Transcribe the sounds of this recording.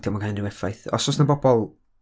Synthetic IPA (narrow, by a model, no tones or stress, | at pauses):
d̥jɔmakannɪwɛfajθɔ̰sɔsnabɔbɔlˠ